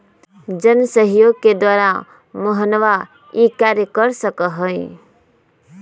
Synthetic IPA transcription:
d͡ʒənsəɦjoɡ̚ked̪waːɾã | məɦənʋa | ikaɾjəkəɾsəkəɦəi

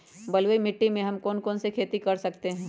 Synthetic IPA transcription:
bɐlwemɪʈːimẽɦɐmkɔːnkɔːnsekʰeːt̪ikɐɾsɐkt̪eɦɛ̃ː

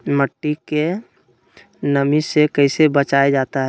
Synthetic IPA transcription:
məʈːike | nəmisekəɪsebət͡ʃaed͡ʒaːt̪aɦɛ

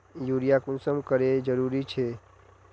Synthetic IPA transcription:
juːɾijakunsəmkəɾed͡ʒəɾuːɾit͡ʃʰe

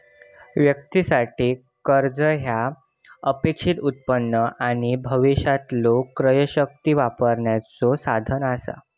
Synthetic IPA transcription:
ʋjək̚t̪isaʈiː | kəɾd͡zəɦja | əpekʂit̪ut̪̚pənːəʔaɽ̃ibʱəʋiɕat̪lokːɾəjəɕək̚t̪iːʋapəɾɳjat͡sosad̪ʱənasa̰

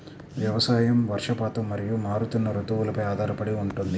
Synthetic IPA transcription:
ʋjɐʋɐsaːjɐmʋɐɾʂɐpaːt̪ɐmːɐɾijumaːɾut̪unːɐɾut̪uʋulɐpɐjaːd̪ʱaːɾɐpɐɽiuɳʈund̪i

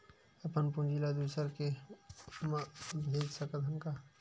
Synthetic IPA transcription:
əpənpund͡ʒilad̪usəɾke | mabʱed͡ʒsəkət̪ʰənka

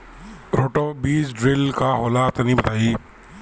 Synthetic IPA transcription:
ɾoːʈoːbiːzɖɾɪlkaːɦoːlaːt̪nĩːbət̪aːiː

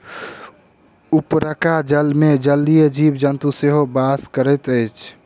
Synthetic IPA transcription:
upɾəkad͡ʒəlmed͡ʒəlːijed͡ʒibd͡ʒənt̪useɦobaskəɾət̪əɪt͡ʃʰ

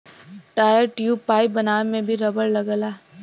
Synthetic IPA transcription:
ʈaːjəɾʈjuːpaːɪpbɐnaːnemẽbʱiɾɐbəɾlɐɡəlaː

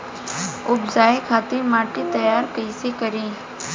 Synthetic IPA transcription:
ʊbzaːekʰaːt̪ɪɾmaːʈit̪əjaːɾkəisekəɾẽː

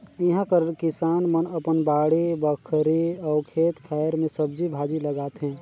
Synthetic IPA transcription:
ɪɦãkəɾkɪsaːnmənəpənbaːɽibəkʰəɾiɔːɾkʰeːt̪kʰɛːɾmẽsəb̚d͡ʒibʱaːd͡ʒiləɡaːt̪ɦɛ̃ː

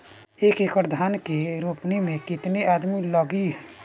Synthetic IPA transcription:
eːkekɾd̪ʱaːnkiɾuːpnemẽkɪt̪niaːd̪milɔɡiɦɛ

